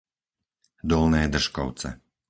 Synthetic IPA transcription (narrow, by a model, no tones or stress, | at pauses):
d̪ɔlˠnɛːd̪r̩ʃkɔ̰w̪t͡sɛ̰